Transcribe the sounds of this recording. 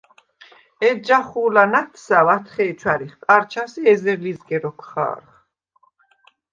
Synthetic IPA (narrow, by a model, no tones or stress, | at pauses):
ɛd͡ʒaχuːlanat̪ʰsavat̪ʰχɛːt͡ʃʰwaɾiχkʼaɾt͡ʃʰasiɛzɛɾlizɡɛɾɔkʰχa̰ːɾχ